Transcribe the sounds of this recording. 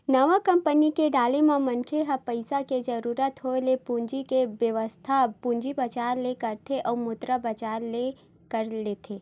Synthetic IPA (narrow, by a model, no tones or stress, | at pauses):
nɐʋakɐ̃mpənikeɖaːlemãmɐnkʰeɦɐpəɪsaked͡ʒɐɾuːɾət̪ɦolepũːɲd͡ʒikeʋjəʋəst̪ʰapũɲd͡ʒibɐt͡ʃaːɾlekɐɾt̪ʰeʔɔːɾmʊt̪ɾabɐt͡ʃaːɾle | kɐɾleːt̪ʰeː